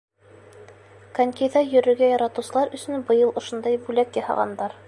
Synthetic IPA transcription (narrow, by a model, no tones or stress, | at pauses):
kɐnʲkʲejðɑjɵ̆ɾɵ̆ɾɡæjɑɾɑt̪ɤ̆wsɤ̆lˠɑɾɵ̆sɵnbɤ̆jɤlˠŏʃŏnd̪ɑjbʉlækjɑhɑ̰ʁɑ̰nd̪ɑɾ